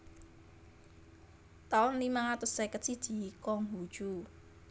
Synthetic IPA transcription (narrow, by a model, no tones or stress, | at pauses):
t̪awɔnlimaŋat̪ʊsːekət͡ʃid̥ʒ̥i̤kɔŋɦu̥ʒ̥u